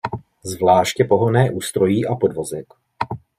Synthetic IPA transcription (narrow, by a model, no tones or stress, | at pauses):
zvlaːʃcɛpo̞ɦonɛːʔuːst̪ɾo̞jiːʔapo̞dvo̞zɛk